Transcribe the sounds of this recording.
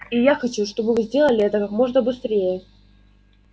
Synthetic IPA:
ijaxɐt͡ɕuʂt̪o̞bɨvɨzʲdʲe̞lˠəlʲɪɛt̪əkakmo̞ʐnəbɨst̪ɾʲejə

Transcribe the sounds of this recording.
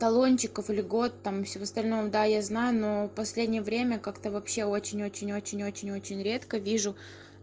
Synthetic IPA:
t̪ɐlˠo̞nʲt͡ɕɪkəfɨlʲɪɡo̞t̪ːamfsʲɪvoɐst̪ɐlʲnomd̪ajaznajʊno̞pɐsʲlʲedʲnʲɪjəvɾʲemʲəkakt̪əvɐpɕːe̞o̞t͡ɕɪnʲo̞t͡ɕɪnʲo̞t͡ɕɪnʲo̞t͡ɕɪnʲo̞t͡ɕɪnʲɾʲe̞t̪kəvʲiʐʊ

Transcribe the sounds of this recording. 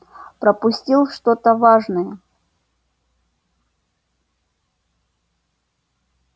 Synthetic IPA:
pɾəpʊsʲtʲilˠʂt̪ot̪əvaʐnəjə

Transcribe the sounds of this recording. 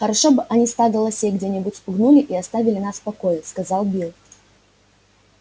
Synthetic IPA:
xəɾɐʂobɨʔɐnʲist̪aɡəlˠɐsʲeɡdʲenʲɪbʊtʲspʊɡnulʲɪʔiɐst̪avʲɪlʲɪnaspɐkojɪskɐzɑlˠbʲilˠ

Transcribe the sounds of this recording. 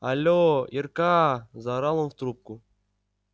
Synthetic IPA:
alʲoirkazaɾalˠəmft̪ɾup̚kʊ

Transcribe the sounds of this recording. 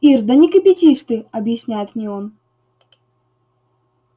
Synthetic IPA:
ird̪ɐnʲikɐpʲɪt͡sʲiʂt̪ɨɐbjɪsʲnʲæjɛt̪nʲiɔn

